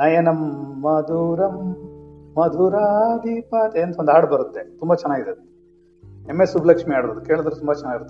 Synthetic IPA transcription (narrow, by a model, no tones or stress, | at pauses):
najenɐmːɐd̪uɾɐmː | ɐd̪uːɾad̪ipaːt̪eɐnt̪ɐond̪aːɽbɐɾut̪ːet̪umbɐt͡ʃɛnːaːɡid̪ed̪e | emːesubʱlɐkʂmiaːɽboːd̪uke̞ːɭud̪ɾut̪umbɐt͡ʃɛnːaːɡiɾut̪ː